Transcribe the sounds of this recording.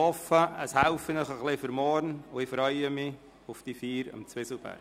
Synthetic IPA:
ɔfəəshalfənəχəχlɪfəɾmɔɾnʊɪfɾœʏəmɪ | ʊfd̥ifiːɾə̰mt͡sʋɪsl̩b̥æ̰ɾ

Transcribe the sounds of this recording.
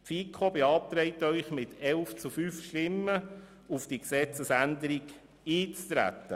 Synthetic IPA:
tfiːkʰobeɑp̚t̪ɾɛɪt̪œʏχmɪt̪ʰɛlft͡sufyfʃtɪmːə | ufd̥iəksɛt͡səsænd̪əɾiɡ | iːt͡st̪ɾæ̰t̪ːə

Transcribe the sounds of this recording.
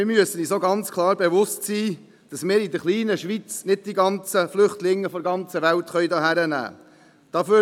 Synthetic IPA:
ɪɾmyəsənisoɡɑnt͡skʰlˠɑːɾbeʋʊstsiː | d̥ɑsmɪːɾidəχliːnəʃʋit͡snɪd̚diɡɑnt͡səflʏχtlɪŋːəfɔdəɡɑnt͡səʋæltχœʏdɑːɦæɾənæ̰ː | d̥ɑføː

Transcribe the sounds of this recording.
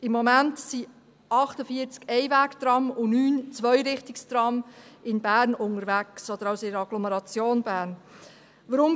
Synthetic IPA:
ɪmːɔmæntsi | ɑχtəfiːəɾt͡skɛɪvæːkt̪ɾɑmʊnyːnt͡svœʏɾɪχtɪkst̪ɾɑmɪnbæːɾnʊŋəɾvæksɔd̪əɾɑʊsɪəɑɡ̥lɔməɾɑt͡sjoːnbæːɾn | ʋəɾʊm

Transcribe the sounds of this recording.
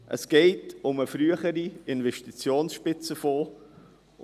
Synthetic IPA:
ʔə̰sɡ̥ɛɪtʊməfɾyəχəɾiɪnvɛʃtit͡sjoːnsʃpɪt͡səfoː

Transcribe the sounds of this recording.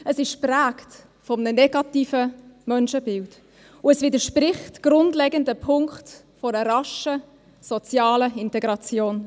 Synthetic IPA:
əsɪʃpræːkt | fɔmnənɛɡ̥ɑtiːfəmœnʃəbɪlt | ʊɛsvidəʃpɾɪχtɡ̥ɾʊndlɛɡəndəpʰʊŋkχt | fɔɾəɾɑʃə | sɔt͡sjɑːləɪntɛɡɾɑt͡sjoːn

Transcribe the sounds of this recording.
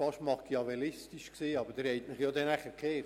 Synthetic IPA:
fɑʃmɑkiɑvɛlɪstiʃksiːɑbəd̥ɪɾhɛɪtmɪχjoːdɛnæχəkʰeːɾ

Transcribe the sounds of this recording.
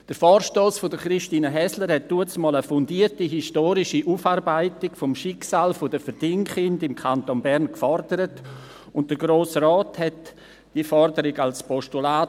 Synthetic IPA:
d̥əɾfɔːrʃtoːsfʊdəχɾiʃtiːnəɦɛsləɾhɛt̚d̥uət͡smɔːləfʊndiːətiɦistoːɾɪʃiʔufaɾbaɪtɪkfomʃɪksaːlfʊdəfəɾd̥ɪŋχɪndɪmkʰantonbɛɾnkfɔɾd̥əɾət | ʊnt̚d̥əɡɾoːsrɔːthɛt | d̥iəfɔɾdəɾɪɡalspɔʃtulaː

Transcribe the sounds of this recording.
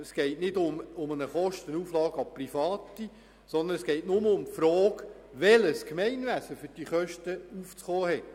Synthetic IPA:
əsɡ̥ɛɪtnɪdʊmʊmənəχɔʃtənuːflɑːɡɑprifɑːti | sɔnd̪ənɛsɡ̥ɛɪtnʊməʊmfɾɔːk | ʋɛləskmɛɪnʋæsəfʏɾd̥iːχœʃtəuft͡sχɔːhɛt

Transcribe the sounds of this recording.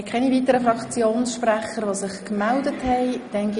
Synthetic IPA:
kʰɛnivitəɾəfrɑkt͡sjoːnsʃpræχəɾʋosɪχkmældəthɛɪd̥ɛŋɡ

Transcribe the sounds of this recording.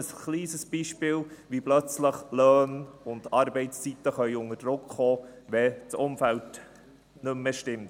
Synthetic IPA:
əsχliːsəsb̥iːʃpɪːlʋiblœt͡sləχlœːnʊndɑɾbɛɪt͡st͡sitəχœʏʊnəd̥ɾʊkχoːʋɛt͡sʊmfælt | nɵmːəʃtɪmt

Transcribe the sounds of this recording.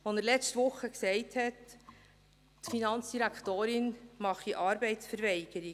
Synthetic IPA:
ʋonəɾlɛt͡stʋʊχəksɛɪthɛt | tfinɑnt͡sd̥iɾækχt̪oːɾɪnmɑχiʔɑːɾbɛɪtsfəɾʋɛɪɡ̥əɾi

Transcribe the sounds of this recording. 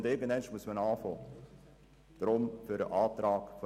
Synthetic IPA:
ndɪɡəndɛnʃmuəsmənɑːfoː | d̥ɾʊmfyɾəʔɑːtɾɑːkfo

